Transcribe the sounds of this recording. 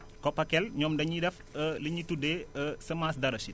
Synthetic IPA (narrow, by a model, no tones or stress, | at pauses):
kɔpɐkɛlɲɔːmdɐɲidɛf | ələɲitudeːəsəmaːsdɐɾɐsi